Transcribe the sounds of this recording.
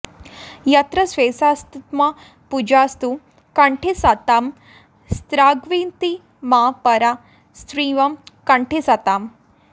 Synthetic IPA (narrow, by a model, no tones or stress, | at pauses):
jɐt̪ɾɐsʋeːsast̪it̪ma | pud͡ʒaːst̪u | kɐɳʈʰesat̪aːm | st̪ɾaːɡʋiːnt̪i | maːpɐɾa | st̪ɾiːʋɐmkɐɳʈʰesat̪aːm